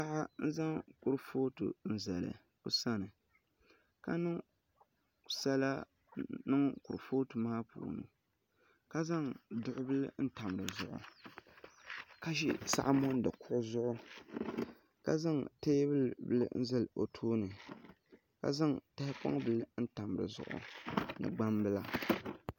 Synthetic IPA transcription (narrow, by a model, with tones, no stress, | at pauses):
a˦ʔa˦n̩˦za˦ŋkʊ˨ɾfoː˦tṵ˨n̩˦zɛ̰˨lɨ̰˨ | kʊ̰˦sa˦nɨ˨ | ka˦nɨ˦ŋ | sa˦la˦ | nɨ˦ŋkʊ˨ɾfoː˦tu˨maː˦pṵː˨nɨ̰˨ | ka˦za˦ŋdʊ˨ʔʊ˦bɨ˦lɨ˦n̩˦ta˨mɨ˨ɾɨ˨zʊ̰˨ʔʊ̰˨ | ka˦ʃḭ˦sa̰˦ʔmɔ˦n˦dɨ˨kʰʊ˦ʔʊ˦zʊ˦ʔʊ˦ | ka̰˦za˦ŋteː˦bɨ˦lbɨ̰˦˨lɨ̰˦n̩˦zɨ˦lo˨tʰoː˦nɨ˨ | ka̰˦za˦ŋta˦hɪ˦pɔ̰˦ŋ˦bɨ˦lɨ˦n̩˦ta˨m˨ɾɨ̰˨zʊ̰˨ʔʊ̰˨nɨ̰˨ɡ͡ba˦mbɨ˦la˨